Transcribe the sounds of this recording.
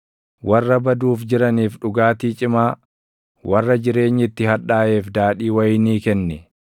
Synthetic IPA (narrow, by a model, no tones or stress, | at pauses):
wʔɐrːɐbɐd̪uːfd͡ʒɪɾɐniːfᶑʊɡaːt̪iːt͡ʃʼɪmaː | wɐrːɐd͡ʒɪɾe̞ːɲːɪt̪ːɪhɐᶑaːʔe̞ːfd̪aːᶑiːwɐjniːkɛnːɛ